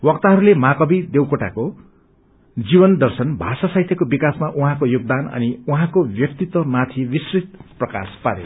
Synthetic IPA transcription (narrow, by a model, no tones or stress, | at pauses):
wʌk̚t̪aɦʌɾulemakʌbid̪ewkoʈa̰ko | d͡zibʌnd̪ʌrsʌnbʱasasajt̪ʰjekobikasmaʔuɦãkojuɡ̚d̪anʌ̰niuɦãkobjʌkt̪it̪wʌmat̪ʰibisrit̪̚prʌka̰spaɾḛ